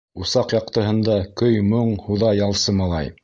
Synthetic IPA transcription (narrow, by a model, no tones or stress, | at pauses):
usɑqjɑq̚t̪ɤ̆ɦɤ̆nd̪ɑkɵjmoɴhuðɑjɑlˠsɤmɑlˠɑ̰j